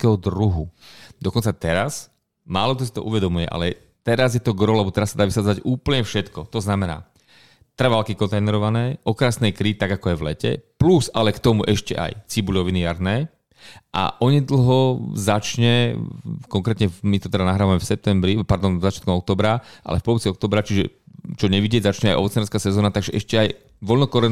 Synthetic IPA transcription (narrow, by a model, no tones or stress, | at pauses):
kɛɦɔd̪ɾuɦud̪ɔkɔnt͡sat̪ɛɾas | maːlɔk̚t̪ɔs̬it̪ɔ̰ʔuʋɛd̪ɔmujɛʔa̰lɛ | t̪ɛɾazjɛt̪ɔɡɾɔlɛbɔt̪ɛɾasːad̪aːʋisad͡zaɟuːpl̩ɲɛfʃɛt̪kɔt̪ɔznamɛna̰ː | t̪r̩ʋalkikɔnt̪ajnɛɾɔʋanɛːʔɔkɾaːsnɛjkɾit̪aɡakɔajʋlɛcɛ̰pluzalɛkt̪ɔmuʔɛʃcɛ̰ʔa̰jt͡sibuʎɔʋinijaɾnɛː | ʔa̰ʔɔɲɛd̪l̩ɦɔzat͡ʃɲɛ | kɔŋkɾɛːt̪ɲɛmit̪ɔt̪ɛd̪anaɦɾaːʋamɛfsɛp̚t̪ɛmbɾipaɾd̪ɔnzat͡ʃɪat̪kɔmɔk̚t̪ɔːbɾaʔa̰lɛ̰fpɔʋɔt͡siɔk̚t̪ɔːbɾat͡ʃiʒɛ̰t͡ʃɔɲɛʋiɟɪɛzat͡ʃɲɛajɔ̰t͡snɛɾskaːsɛzɔːnat̪aɡʒɛʔɛʃcɛaj | ʋɔlnɔkɔɾɛ